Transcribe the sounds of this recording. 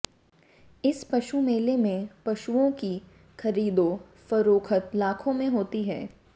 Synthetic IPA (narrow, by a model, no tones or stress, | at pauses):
ɪspɐʃumeːlemẽpɐʃuõki | xɐɾiːd̪õ | fɐɾoːkʰət̪laːkʰõmẽɦoːt̪iɦɛː